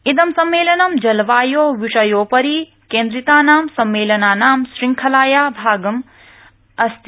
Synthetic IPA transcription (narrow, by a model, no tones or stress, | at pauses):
id̪ɐmsɐmːeːlɐnɐmd͡ʒɐlʋaːjoːʋiʂɐjoːpɐɾiː | kẽːnd̪ɾit̪aːnaːmsɐmːeːlɐnaːnaːmsɾiŋkʰɐlaːjaːbʱaːɡɐm | ɐst̪ʰi